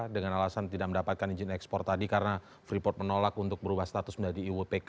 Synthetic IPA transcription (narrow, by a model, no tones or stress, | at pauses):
dəŋanalasant̪idak̚məndapat̪̚kaniɲd͡ʒɪnɛkspɔrt̪adikaɾəna | fɾipɔrt̪̚mənolakunt̪ʊk̚bəɾubahst̪at̪ʊsməɲd͡ʒadiːwupek